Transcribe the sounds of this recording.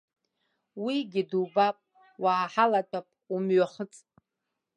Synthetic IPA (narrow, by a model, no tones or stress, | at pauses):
wiɡʲɪdubapʼ | waːħalatʼʰapʼumɥaχət͡sʼ